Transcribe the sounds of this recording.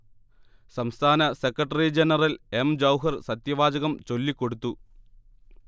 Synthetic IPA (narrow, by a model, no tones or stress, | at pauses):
sɐmst̪ʰaːnɐsekːɾɐʈːɐrid͡ʑenɐrɐlemd͡ʑɐwɦɐrsɐt̪jɐʋaːd͡ʑɐɣɐmt͡ɕo̞lːikːoɽut̪ːu